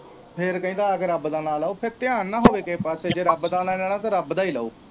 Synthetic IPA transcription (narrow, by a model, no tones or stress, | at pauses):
pʰɪɾkəĩːd̪aːəkɾəbd̪aːnaːlaːoːpʰɪɾt̪ɪjaːnːãːɦoːʋeːkeːpaːseːd͡ʒeːɾəbd̪aːnaːlɛːɽaːt̪ãːɾəbd̪aːiːlaːo̰ː